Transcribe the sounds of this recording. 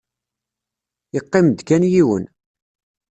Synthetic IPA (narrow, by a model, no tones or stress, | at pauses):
iqːɪmd̪kænjiwə̰n